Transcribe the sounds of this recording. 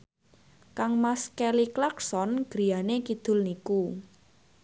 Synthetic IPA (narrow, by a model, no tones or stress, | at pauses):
kaŋmaskɛliklaksɔnɡ̥ɾi̤janekid̪̥ʊ̤lniku